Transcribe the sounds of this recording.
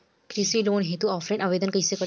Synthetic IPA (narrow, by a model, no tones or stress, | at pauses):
kɾisiɖonɦet̪uɔfɾẽɳʔaʋed̪ənkəjsekəɾ